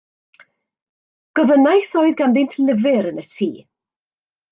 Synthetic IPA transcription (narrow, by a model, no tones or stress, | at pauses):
ɡ̥ɔvənajsoːɨðɡandɪntʰlɪvɪɾənətʰiː